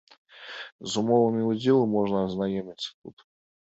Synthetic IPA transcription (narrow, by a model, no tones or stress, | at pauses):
zʊmovɨmʲɪʊdʲilˠɨmoʐnəɐznajemʲɪtʲt̪ṵt̪